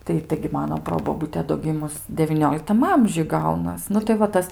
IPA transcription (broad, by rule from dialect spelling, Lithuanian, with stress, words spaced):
ˈtɐɪ ˈtɐɪɡʲɪ ˈmɑːnoː ˈproːboːbʊtʲɛ doː ˈɡʲɪmʊs dʲɛʋʲiːˈnʲoːlʲɪktɐm ˈɐmʲʒʲʊj ˈɡɐʊnɐs ˈnʊ tɐɪ ʋɐ ˈtɐs